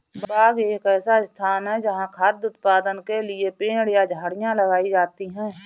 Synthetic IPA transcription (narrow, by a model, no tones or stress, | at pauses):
baːɡeːkɛːsaɪst̪ʰaːnɦɛd͡ʒɐɦãkʰaːd̪ʊt̪̚paːd̪ənkelɪepẽːɽjad͡ʒʱaːɽɪjãləɡaːid͡ʒaːt̪iɦɛ̃ː